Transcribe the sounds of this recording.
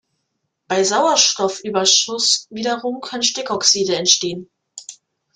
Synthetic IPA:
b̥aɪzaʊɐʃtɔfʔyːbɐʃʊsviːdɐʁʊmkʰœnənʃtɪkɔksiːdəɛntʃteːən

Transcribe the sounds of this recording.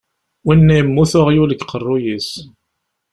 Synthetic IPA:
winːæjmːuθʊʁjuləkːqərˤːʊjis

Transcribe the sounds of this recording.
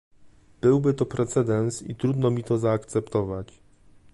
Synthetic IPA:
b̥ɘwbɘt̪ɔpɾɛt̪sɛd̪ɛnsḭt̪ɾud̪nɔmʲit̪ɔzaːkt̪sɛpt̪ɔvat͡ɕ

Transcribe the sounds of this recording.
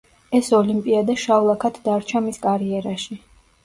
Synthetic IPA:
ɛsɔlimpʼiad̪aʃavlˠakʰat̪ʰd̪aɾt͡ʃʰamiskʼaɾiɛɾaʃi

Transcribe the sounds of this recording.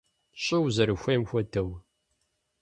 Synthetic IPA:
ɕʼɪwzɐɾɨxʷemxʷɐtʰɐw

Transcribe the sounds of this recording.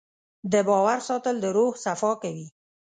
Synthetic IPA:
d̪əbɑwaɾsɑt̪əld̪əɾohsafɑkawi

